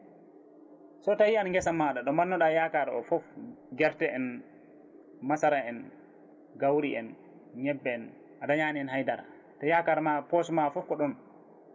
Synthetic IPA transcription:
sɔtajianŋɡɛsamːaɗaɗɔmanːɔɗajakaɾɔ̰fɔfɡɛɾtɛʔɛn | masaɾaɛn | ɡawɾiɛ̰n | ɲɛbːɛɛn | ʔadaɲaːniɛnɦajdaɾa̰ | tɔjakaɾmapɔsmafɔfkɔɗɔn

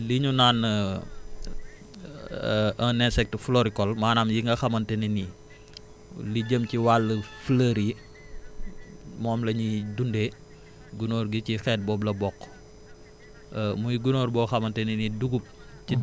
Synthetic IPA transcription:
liɲunaːn | ɐnɛnsɛk̚təflɔɾikɔlmaːnaːmjiŋɡɐxɐmɐntɛnini | liɟəmciwalːəfləɾi | mɔːmlɐɲidunde | ɡunoːɾɡicixɛːt̚bɔːblɐbɔkː | mujɡunoːɾbɔxɐmɐntɛniniduɡup̚ | ci

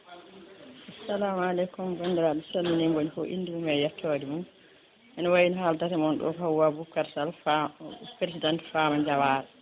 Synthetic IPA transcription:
ʔasːalamalɛkumbandiɾadusalminimbonifɔʔḭnːdimumɛjɛtʰːoːdimum | ʔɛnɔwawinɦaltatɛmɔnɗɔ̰fawwabukːaɾsalfpɾes̬idantfamaɲd͡ʒawaːɾɛ

